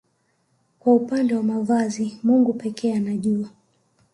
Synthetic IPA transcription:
kwaupandɛwamavazimuŋɡupɛkʰɛːanaʄua

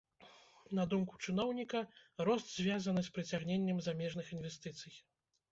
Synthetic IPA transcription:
nɐd̪umku̥t͡ʂɨnɔwnʲikɐɾɔst̪zʲvʲazɐnɨspɾɨt͡sʲaɣnʲenʲːɛmzamʲɛʐnɨxinvʲɛst̪ɨt̪sɨj

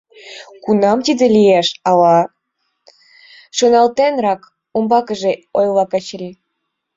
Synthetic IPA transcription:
kunɑmt̪id̪elijeʃɑlɑ | ʃonɑlt̪enrɑk | umbɑkəʒeojlɑkɑt͡ɕlʲi

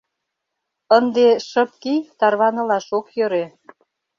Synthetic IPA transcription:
ənd̪eʃəp̚kijt̪ɑrβɑnɤ̆lɑʃokjøɾe

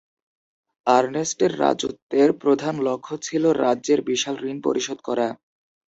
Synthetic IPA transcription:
aɾnesʈeɾːa̰d͡ʑot̪ːeɾpɾod̪ʱanlokʰːot͡ɕʰiloɾaːʑeɾbiʃalɾinpo̰ɾʔiʃod̪̚kɔɾa

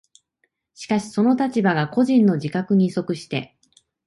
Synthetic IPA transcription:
ɕi̥kaɕi̥so̞no̞t̪at͡ɕibaɡako̞ʑĩnːo̞d͡ʑikakɯ̟ɲ̟iso̞kɯ̟ɕi̥t̪e̞̰

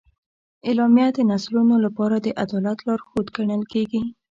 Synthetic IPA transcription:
elɑmjad̪ənaslunolapɑɾad̪əʔad̪ɑlat̪lɑɾxod̪ɡaɳəlkeɡi

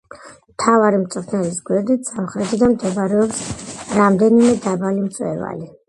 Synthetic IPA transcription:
mt̪ʰavaɾimt̪sʼχʰnɛlisɡwɛɾd̪it̪ʰsamχɾɛt̪ʰid̪amd̪ɛbaɾɛɔpsɾamd̪ɛnimɛd̪abalimt̪sʼwɛ̰va̰li

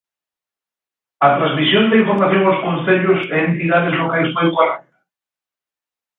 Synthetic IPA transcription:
ɐt̪ɾazmisjont̪ẽiɱfoɾmaθjoŋaʊskonθeʎʊseːnt̪iðaðezlokajspojkwaɾɛk̚t̪ḁ

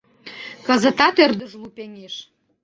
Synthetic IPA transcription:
kəzə̆t̪ɑt̪ørd̪əʒlupenʲeʃ

